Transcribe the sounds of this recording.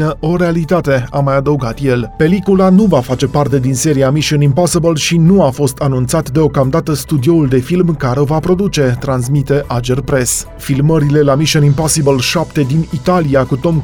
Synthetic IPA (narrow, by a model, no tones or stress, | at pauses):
nəʔo̞ɾe̞alit̪at̪e̞amajad̪əuɡat̪je̞lpe̞likulanuvafat͡ʃe̞part̪e̞d̪inse̞ɾiamiʃonimpasəbəlʃinuafo̞st̪anunt̪sat̪d̪e̞o̞kamd̪at̪əst̪ud̪io̞uld̪e̞filmkaɾe̞o̞vapɾo̞d̪ut͡ʃe̞t̪ɾans̬mit̪e̞ʔad͡ʒerpɾe̞s | filməɾile̞lamiʃonimpasibəlʃapt̪e̞d̪init̪aliakut̪o̞m